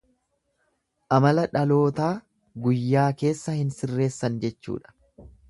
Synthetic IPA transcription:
ʔɐmɐlɐᶑɐlo̞ːt̪aː | ɡʊjːaːke̞ːsːɐhɪnsɪrːe̞ːsːɐnd͡ʒɛt͡ʃːṵːᶑɐ̥

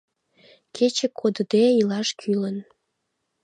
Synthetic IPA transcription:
kʰet͡ɕĕkʰod̪əd̪eilɑʃkʰylən

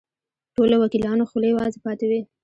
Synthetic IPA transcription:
ʈolowakilɑnoxlejwɑzepɑt̪ewi

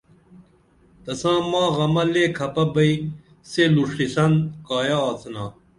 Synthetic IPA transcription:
t̪ɐsãːmãːɣɐmɐleːkʰɐpɐbɐi | seluʂʈisɐnkaːjaːt̪ʰnaː

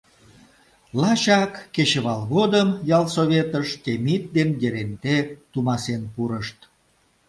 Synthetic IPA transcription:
lɑɕɑkːeɕəβɑlɣod̪əmjɑlsoβet̪əʃt̪emit̪̚d̪enjeɾent̪et̪umɑsenpuɾəʃt̪

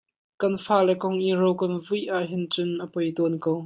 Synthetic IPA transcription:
kɐnfaːlɛkɔŋʔirowkɐnvujʔaʔɦɪnt͡sʊnʔəpɔjt̪ɔnkow

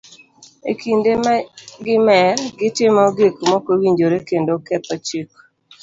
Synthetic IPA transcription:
ḛkʰindemaɡɪmɛrɡɪtɪmɔɡekmɔkowiɲd͡ʒoɾekendokɛtat͡ʃik

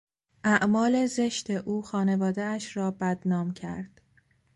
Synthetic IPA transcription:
ʔæʔmɒːle̞ze̞ʃt̪e̞ʔuːxɒːne̞vɒːd̪eæʃrɒːbæd̪nɒːmcʰæ̰ɾd̪̥

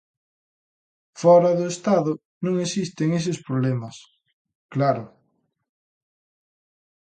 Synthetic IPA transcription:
fɔɾɐðʊest̪aðʊ | nõŋesist̪eŋes̬ɪspɾoβlemɐs | klaɾʊ

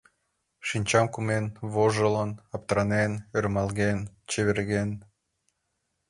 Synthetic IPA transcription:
ʃinʲt͡ɕɑmkumenβoʒələnɑp̚t̪ɾɑnenørmɑlˠɣent͡ɕeβerɣen

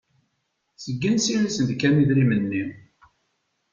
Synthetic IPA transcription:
səɡːənsiɾisənd̪kæniðɾimənːi

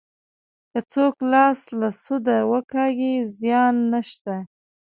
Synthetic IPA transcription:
kət͡soklɑslasud̪awəkɑɡizjɑnːəʃt̪a

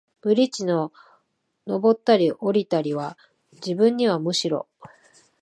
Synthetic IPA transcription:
b̥ɯ̟ɾʲit͡ɕino̞ | no̞bo̞t̪ːaɾʲiʔo̞ɾʲit̪aɾʲiβa | d͡ʑibɯ̃ɲ̟ːiβ̞amɯ̟ɕiɾo̞̰

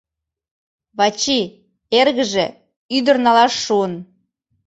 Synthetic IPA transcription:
βɑt͡ɕi | erɣə̆ʒĕ | yd̪ə̆rnɑlɑʃːuən

